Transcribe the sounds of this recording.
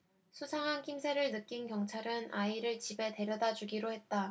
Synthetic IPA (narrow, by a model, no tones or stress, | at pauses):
sʰusʰaŋɦankʰimsʰe̞ɾɯɭnɯk͈inkjʌŋt͡ɕʰaɾɯnaiɾɯɭt͡ɕibe̞te̞ɾjʌdad͡ʑuɡiɾohe̞t̚t͈a